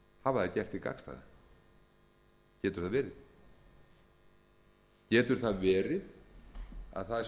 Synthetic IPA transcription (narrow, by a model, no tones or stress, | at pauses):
havaðaðcɛr̥t̪ika̰kst̪a̰ða̰ | cɛːt̪ʏɾ̥θaðvɛːɾɪð | cɛːt̪ʏɾ̥θaðvɛːɾɪð | a̰ðθað